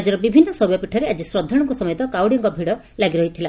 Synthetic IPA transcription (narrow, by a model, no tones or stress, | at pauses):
ad͡ʒɔɾɔbibʱinːɔsɔbjɔpiʈʰɔɾead͡ʒisɾɔd̪ʱːɔɽɔŋkusɔmɔjɔt̪ɔkawɽijɔŋkɔbʱiɽɔ | laɡiɾɔɦit̪ʰila